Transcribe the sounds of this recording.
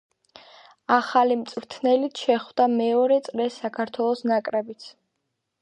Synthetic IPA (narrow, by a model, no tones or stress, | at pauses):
aχalimt̪sʼɾt̪ʰnɛlit̪ʰʃɛχvd̪amɛɔɾɛt̪sʼɾɛsːakʰaɾt̪ʰwɛlˠɔsnakʼɾɛbit̪sʰ